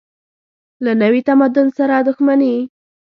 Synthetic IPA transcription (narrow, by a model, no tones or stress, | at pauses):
lanawit̪amad̪ʊnsaɾad̪ʊxmani